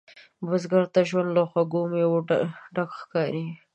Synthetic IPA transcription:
bəzɡaɾt̪aʒwand̪laxwaɡomewoɖakxkɑɾi

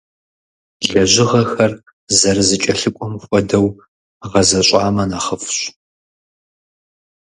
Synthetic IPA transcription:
ɮɐʒʷɪʁɐxɐr | zɐɾɨzɨt͡ʃʼɐɬɨkʷʼɔmxʷʼɔdɐw | ʁɐzɐɕʼaːmɐnaːχɐfɕʷ

